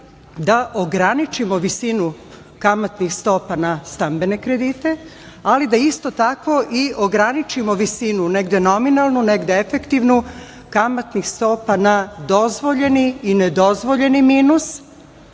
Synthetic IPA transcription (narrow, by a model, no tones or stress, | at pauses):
d̪aʔoɡɾanit͡ʃimo̞ʋisinu | kamat̪nixst̪o̞panast̪ambe̞ne̞kɾe̞d̪it̪e̞ | alid̪aist̪o̞t̪akʋo̞ʔiʔoɡɾanit͡ʃimo̞ʋisinune̞ɡd̪eno̞minalˠnuneɡd̪eefe̞kt̪iʋnu | kamat̪nixst̪o̞ːpanad̪o̞zʋo̞ʎe̞niːned̪o̞zʋo̞ʎe̞nimiːnus